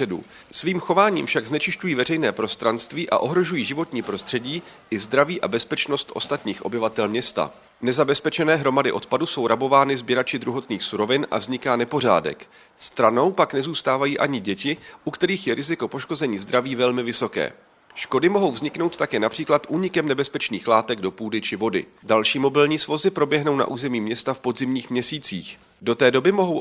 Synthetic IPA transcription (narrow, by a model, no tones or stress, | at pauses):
ɛdṵ | sviːmxo̞vaːɲḭːmfʃaɡznɛt͡ʃɪʃcujiːvɛrɛjnɛːpɾo̞st̪ɾanst̪viːʔa̰ʔo̞ɦɾo̞ʒujiːʒɪvo̞t̪ɲiːpɾo̞st̪r̝̥ɛɟiː | ʔɪzd̪ɾaviːʔabɛspɛt͡ʃno̞st̪ʔo̞̰st̪at̪ɲiːxʔo̞bɪvat̪ɛlmɲɛst̪a̰ | nɛzabɛspɛt͡ʃɛnɛːɦɾo̞madɪʔo̞t̪paduso̞wɾabo̞vaːnɪzbjɛɾat͡ʃɪd̪ɾuɦo̞t̪niːxsuɾo̞vɪnʔa̰vzɲɪkaːnɛpo̞r̝a̰ːdɛ̰k | st̪ɾano̞wpaknɛzuːst̪aːvajiːʔaɲɪɟɛcɪʔukt̪ɛɾiːxjɛɾɪzɪko̞po̞ʃko̞zɛɲiːzd̪ɾaviːvɛlmɪvɪso̞kɛ̰ː | ʃko̞dɪmo̞ɦo̞wvzɲɪkno̞wt̪t̪akɛːnapr̥iːklat̪ʔuːɲɪkɛmnɛbɛspɛt͡ʃniːxlaːt̪ɛɡdo̞puːdɪt͡ʃɪvo̞dɪ̰ | dalʃiːmo̞bɪlɲiːsvo̞zɪpɾo̞bjɛɦno̞wna̰ʔuːzɛmiːmɲɛst̪afpo̞d̪zɪmɲiːxmɲɛsiːt͡sḭːx | do̞t̪ɛːdo̞bɪmo̞ɦow